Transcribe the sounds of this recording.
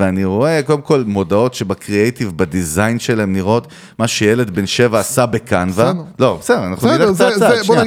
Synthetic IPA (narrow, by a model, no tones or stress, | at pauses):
veaniʁo̞eko̞d̪e̞mko̞lmo̞dao̞tʃebakʁiejt̪ivbad̪izajnʃelaemniʁo̞t̪ | maʃejele̞d̪benʃe̞vaːsabekanvalo̞besedeanaχnulet͡sat͡sa